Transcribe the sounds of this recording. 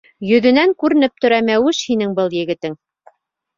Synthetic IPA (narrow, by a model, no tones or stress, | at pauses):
jɵ̆ðɵ̆næŋkʉɾɘ̆nɘp̚t̪ɵ̆ɾæmæwɘʃhinɘŋbɤlˠjɘ̆ɡɘ̆t̪ɘŋ